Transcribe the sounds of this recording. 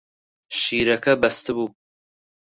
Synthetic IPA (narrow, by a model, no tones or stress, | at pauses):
ʃiːɾɐkʰɐbɐst̪ʰɨbu